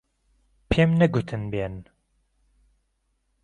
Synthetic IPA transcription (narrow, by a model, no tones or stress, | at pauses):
pʰemnɛɡut̪ʰɨnben